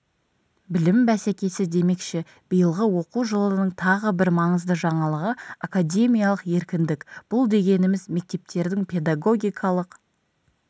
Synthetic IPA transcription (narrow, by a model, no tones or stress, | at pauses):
bɪlɪmbæsekʲe̞sɪd̪e̞me̞kʃe | b̥əjəlˠʁəwo̞quʒəlˠənəɴt̪ʰɑʁəbɪɾmɑɴəzd̪əʒɑɴɑlˠəʁəakadʲe̞mʲijalˠəqje̞ɾkʲɪnd̪ɪkb̥ʊlˠd̪e̞ɡʲe̞nɪmɪzme̞k̚t̪e̞p̚t̪e̞ɾd̪ɪŋpʰe̞d̪aɡo̞ɡʲijkʰɑlˠəq